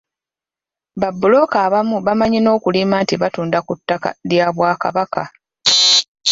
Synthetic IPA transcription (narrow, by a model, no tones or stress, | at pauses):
βabːulo̞kaːβamuβamaɲino̞ːkulimaːntiβatuːndakutːaka̰ljaːβwaːka̰βaka